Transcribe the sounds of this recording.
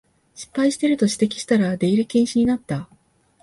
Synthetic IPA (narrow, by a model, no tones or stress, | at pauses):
ɕi̥pːaiɕi̥t̪e̞ɾɯ̟t̪o̞ɕi̥t̪e̞kʲi̥ɕi̥t̪aɾad̪e̞iɾɯ̟kẽɰ̃ɕiɲ̟inat̪ːa